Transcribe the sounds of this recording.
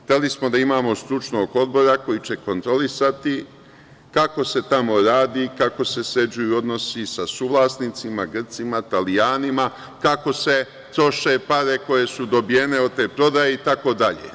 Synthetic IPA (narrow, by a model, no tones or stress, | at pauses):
xt̪e̞lismo̞d̪aimaːmo̞st̪ɾut͡ʃno̞ːɡo̞d̪̚bo̞ɾako̞jit͡ɕe̞ko̞nt̪ɾo̞lisat̪i | kako̞se̞t̪amo̞ɾaːd̪ikako̞se̞se̞d͡ʒujuo̞d̪no̞sisasuːʋlˠasniːt̪simaɡr̩t̪simat̪alijaːnima | kako̞se̞ | t̪ɾo̞ʃe̞paɾe̞ko̞je̞sud̪o̞bije̞neot̪eːpɾo̞d̪aje̞it̪ako̞d̪aʎḛ